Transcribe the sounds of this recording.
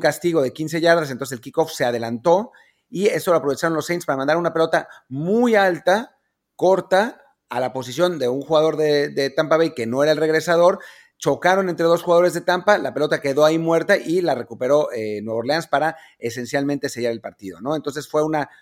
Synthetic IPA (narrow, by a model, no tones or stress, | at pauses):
kast̪iɣo̞ð̞e̞kins̬e̞ʝaɾðas̬nt̪oseselkiko̞fse̞að̞e̞lant̪o̞ | ie̞st̪o̞loapɾoe̞t͡ʃaɾo̞nlosejnspaɾamand̪aɾunape̞lo̞t̪amujalt̪a | ko̞ɾt̪a | alapo̞s̬isjo̞nd̪e̞uŋxuɣað̞o̞ɾðeðe̞t̪ampaβejkenoe̞ɾae̞lre̞ɣɾe̞sað̞o̞ɾ | t͡ʃo̞kaɾo̞ne̞nt̪ɾe̞ðosxuɣað̞o̞ɾe̞zðet̪ampalape̞lo̞t̪ake̞ðo̞aimwe̞ɾt̪aʔilare̞kupe̞ɾo̞ʔenwe̞βoɾleanspaɾa | ese̞nsjalmẽnt̪e̞se̞ʝaɾe̞lpaɾt̪iðo̞no̞ent̪o̞ns̬e̞sfwe̞una